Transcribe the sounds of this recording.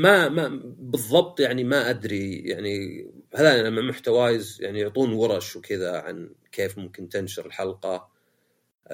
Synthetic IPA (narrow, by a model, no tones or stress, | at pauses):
mamabɨðˤːɑb̚t̪ˤjaʕnimaʔad̪ɾija̰ʕnihaðanamːamʊħt̪awaːjɪzja̰ʕnijʊʕt̪ˤuːnwɑɾˤɑʃwkʰɪðaʕa̰nkʰeːfmʊmkɪnt̪ɪnʃɪɾɪlħɑlqɑ